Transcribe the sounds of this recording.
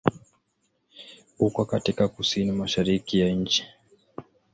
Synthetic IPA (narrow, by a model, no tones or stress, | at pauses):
ukɔkatikakusinimaʃaɾikijaɲ̩t͡ʃi̥